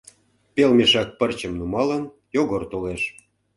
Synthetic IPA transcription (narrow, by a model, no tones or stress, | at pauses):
pelmeʃɑk̚pərt͡ɕəmnumɑlən | joɣort̪oleʃ